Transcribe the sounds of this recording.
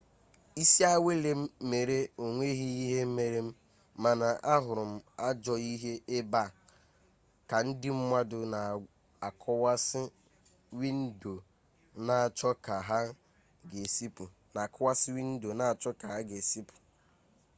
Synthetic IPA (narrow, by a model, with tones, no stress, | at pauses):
i˦si˦a˦we˦le˦m̩˦me˨ɾe˦o˨ŋʷe˦ɦi˦i˦ɦe˦m̩˦me˨ɾe˦m̩˦ | ma˨na˨ʔa˦ɦʊ˨ɾʊ˨m̩˦a˦d͡ʒɔ˦i˦ɦe˦ʔe˦ba˦˨ | ka˨n̩˦dɪ˦m̩˦mʷa˦dʊ˨na˨ | a˨kʰs | wi˦n̩˦do˨ | na˨t͡ʃɔ˦ka˨ɦa˦ | ɡe˨si˦˨ | na˨kwa˦sɪ˦wi˦n̩˦do˨na˨t͡ʃɔ˦ka˨ɦa˦ɡe˨si˦pʊ̥˨